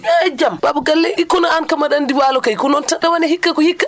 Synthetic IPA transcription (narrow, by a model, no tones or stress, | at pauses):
jɛd͡ʒambabuɡalːɛjikːɔnaankamaɗandiwaːlɔkajkɔnɔntaɗawanɛɦikːakɔhikːa